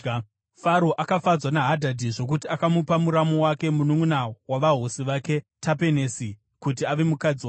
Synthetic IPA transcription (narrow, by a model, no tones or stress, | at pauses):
faɾo̞ʔakafad͡zwanaɦadʱadʱiʐo̞k̬utiakamupamuɾamo̞wake̞munuŋunawaʋaɦo̞siʋake̞tʰape̞nesi | kut̬iaʋe̞mukad͡ziwa